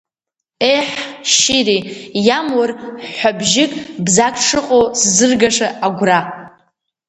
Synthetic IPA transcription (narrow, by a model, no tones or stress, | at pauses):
ejħʃiɾijamwarħħʷabʒɪkʼbzakʰʼʂɨqʼowszɨrɡaʂaaɡʷra